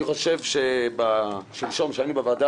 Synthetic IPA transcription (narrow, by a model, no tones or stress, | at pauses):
iχoʃevʃebaʃilʃo̞mʃeainubavad̪a